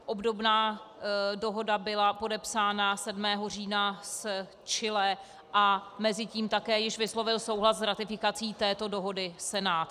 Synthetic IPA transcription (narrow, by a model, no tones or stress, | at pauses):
ʔobdo̞bnaː | do̞ɦo̞dabɪlapo̞dɛpsaːnasɛdmɛːɦo̞riːnas | t͡ʃɪlɛ | ʔamɛzɪciːmt̪akɛːjɪʃvɪslo̞vɪlso̞wɦlaszɾat̪ɪfɪkat͡siːt̪ɛːt̪o̞do̞ɦo̞dɪsɛnaːt̪